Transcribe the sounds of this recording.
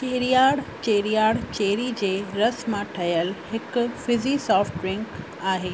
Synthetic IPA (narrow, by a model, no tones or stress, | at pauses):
t͡ɕeːɾijaːɽt͡ɕeːɾijaːɽt͡ɕeːɾid͡ʑeːɾɐsmãʈʰɐjəlɦɪkfɪzisɔːfʈɾɪ̃ŋk | aːɦeː